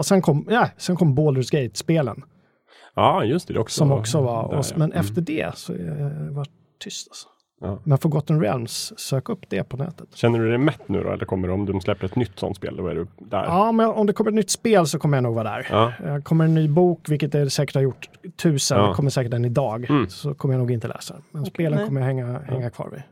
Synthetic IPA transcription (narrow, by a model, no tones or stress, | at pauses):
ɔsɛnkʰɔmːnɛsɛnkʰɔmːboːlɾʉsɡɛjt̪speːlə̰n | ɑːjɵst̪ɛd̪ɛ̰ɔkssɔmɔksɔvɑɔ̰mɛnʔɛftt̪əɖɛ̰sɔ̰vaʈʰːʏst̪alsɔ̥ | mɛnfoːɡɔt̪ːənɾɛ̰lmsːøːkaɵpːd̪̥ɛpʰɔnɛ̰ːt̪ə̥t̪ɕɛnːəɖɵd̪ɛmɛt̪ːnʉ̟̰ːd̪ɔ̰ɛ̰lːəɾkʰɔmːəɖɔmd̪ɵslɛp̪ːɾɛt̪nʏt̪ːsɔ̰nt̪spḛːld̪ɔæ̰ɖɵd̪æ̰ɾɑːmɛnɔmd̪ɛkʰɔmːɾt̪nʏt̪ːspeːlsɔkʰɔmːəjanuːɡvɑːd̪æ̰ɾjkʰɔmːəɾɛnːyːbuːkvɪlkət̪̚d̪ɛsɛːkə̥ʈhaɾjʊʈːt̪ʰːʉ̟ːsənd̪ɛkʰɔmːəʂɛːkəʈɛnɪd̪ɑːɡsɔkʰɔmːjanuːɡɪnt̪əlɛ̰ːsad̪ɛ̰nmɛnsppeːlənʰɔmːəjahɛŋːahɛŋːakʰvɑ̰ːɾvɪ̰